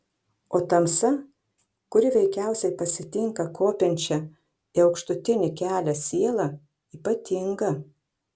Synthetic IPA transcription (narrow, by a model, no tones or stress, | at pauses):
oːt̪ɐmsɐ | kʊɾʲɪʋʲɛɪkʲæˑʊsʲɛɪpɐsʲɪt̪ʲɪŋkɐkʰoːpʲɪnʲt͡ʃʲɛ | ɪɒʊkʃt̪ʊt̪ʲɪnʲɪkʲæːlʲɛsʲiɛlˠɐ | iːpɐt̪ʲɪŋɡɐ